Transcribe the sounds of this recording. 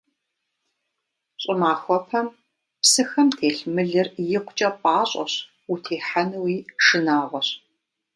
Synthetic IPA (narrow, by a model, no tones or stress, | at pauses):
ɕʼɪmaːxʷɔpʰɐm | psɨxɐmtʰeːɬmɨɮɨrjɪqʷʊt͡ʃʼɐpʼaːɕʼɔ̰ɕ | utʰeːħanɨwiːʃɨnaːʁʷɔɕ